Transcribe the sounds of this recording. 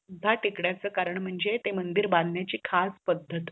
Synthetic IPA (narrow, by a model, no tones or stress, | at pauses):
ud̪ʱːaʈʰikɽjat͡səːkaɾəɳm̤əɳd͡zet̪emənd̪iɾbãnd̪ʱnjat͡ɕiːkʰaspəd̪ʱːət̪